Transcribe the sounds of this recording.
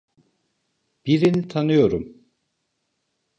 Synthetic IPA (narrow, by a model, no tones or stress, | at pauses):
b̥iɾinit̪ʰanɯjo̞ɾum